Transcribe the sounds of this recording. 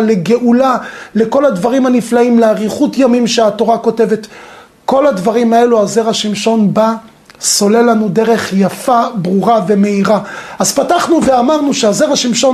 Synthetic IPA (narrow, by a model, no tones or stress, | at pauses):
le̞ɡe̞ʔulale̞ko̞ladvaʁimaniflaimleaʁiχutjamimʃeato̞ʁako̞te̞ve̞t̪ | ko̞ladvaʁimae̞luaze̞ʁaʃimʃo̞nba | so̞le̞lanudeʁe̞χjafabʁuʁave̞me̞iʁaazpataχnuveamaʁnuʃeaze̞ʁaʃimʃo̞